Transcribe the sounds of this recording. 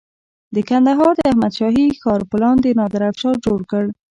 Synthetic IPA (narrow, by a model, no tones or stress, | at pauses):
d̪əkand̪aɦɑɾd̪əahmad̪ʃɑɦixɑɾpəlɑnd̪enɑd̪əɾafʃɑd͡ʒoɽkəɽ